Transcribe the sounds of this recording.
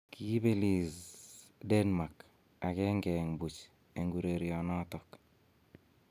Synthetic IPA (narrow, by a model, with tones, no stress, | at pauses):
ki˦be˦li˨sdɛ˦nma˨k | a˨kɛ˦ŋɡɛ˨ŋbu˨t͡ʃ | e˨ŋɡuɾe˨ɾiɔ˨nɔ˦tɔk